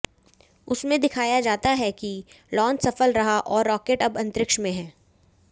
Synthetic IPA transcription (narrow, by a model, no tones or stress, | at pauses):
ʊsmẽd̪ɪkʰaːjad͡ʒaːt̪aɦɛki | lɔ̃ːnsɐfəlɾɐɦaʔɔːɾːɔːkeːʈɐbɐ̃nt̪ɾɪkʃmẽɦɛ̃ː